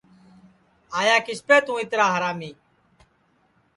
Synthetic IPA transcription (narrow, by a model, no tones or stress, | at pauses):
aːjaːkɪspeːt̪ũːɪt̪ɾaːɦəɾaːmiː